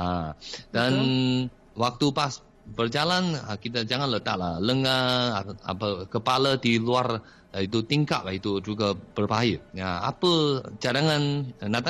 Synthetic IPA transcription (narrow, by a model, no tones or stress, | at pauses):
adan | wak̚t̪upas | bərd͡ʒalanəkit̪̬ad͡ʒaŋanlət̪aʔlahləŋaa̰pəkəpaladiluar | ait̪ut̪iŋka̰ʔ̚lahit̪ud͡ʒuɡab̥ərbajijaa̰pət͡ʃadaŋannat̪a